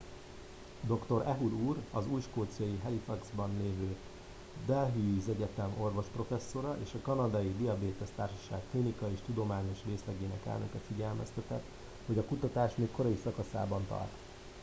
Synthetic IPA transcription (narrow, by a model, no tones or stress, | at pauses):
d̪o̞kt̪o̞ɾɛɦuluːrɒzuːjʃkoːt̪sijɒjiɦɛlifɒɡzbɒnleːvøː | d̪ɛlɦizɛɟɛt̪ɛmo̞rvo̞ʃpro̞fɛsːo̞ɾɒʔḛːʃɒkɒnɒd̪ɒjid̪iɒbeːt̪ɛst̪aːrʃɒ̥ʃaːkk̪linikɒeːʃt̪ud̪o̞maːɲo̞ʃreːslɛɡeːnɛ̰kɛ̰lnø̰kɛt̪fiɟɛlmɛ̰st̪ɛt̪ɛt̪ | ho̞ɟɒkut̪ɒt̪aːʃmeːkko̞ɾɒisɒkɒsa̰ːbɒnt̪ɒ̰rt̪